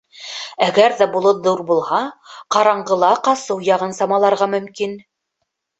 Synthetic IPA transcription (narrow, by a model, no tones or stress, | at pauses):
æɡæɾðæbulˠɤt̪ðuɾbulˠhɑqɑɾɑɴɢɤ̆lˠɑqɑsɤwjɑʁɤnsɑmɑlˠɑɾʁɑmɵ̆mkin